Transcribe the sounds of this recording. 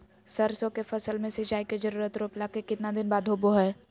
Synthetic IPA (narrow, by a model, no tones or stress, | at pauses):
sɐɾsõkefɐsəlmẽsɪd͡ʒaːiked͡ʒəɾuːɾət̪ɾoːplaːkekɪt̪nad̪ɪnbaːd̪ʱɦoːboɦɛː